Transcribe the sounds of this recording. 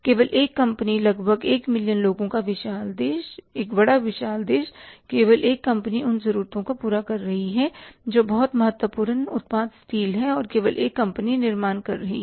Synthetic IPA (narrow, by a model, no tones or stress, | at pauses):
keːʋəlʔeːkːɐ̃mpnilɐɡbʱəɡeːkmɪljənloːɡõkaʋɪʃaːld̪eːʃeːkbɐɽaʋɪʃaːld̪eːʃkeːʋəlʔeːkːɐ̃mpəniʊnzɐɾuːɾt̪õkapuːɾakɐɾːɐɦiɦɛd͡ʒoːbɐɦʊt̪mɐɦət̪wəpuːɾənʊ̰t̪̚paːd̪st̪iːlɦɛɔːɾkeːʋəlʔeːkːɐ̃mpəninɪɾmaːnkɐɾːɐɦḭ